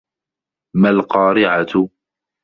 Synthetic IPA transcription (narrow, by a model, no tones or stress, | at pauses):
malqɑːɾɪʕat̪